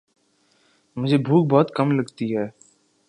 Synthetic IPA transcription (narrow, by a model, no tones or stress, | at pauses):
mʊd͡ʒʱeːbʱuːk̚bɔːt̪kəmləɡt̪iɦɛː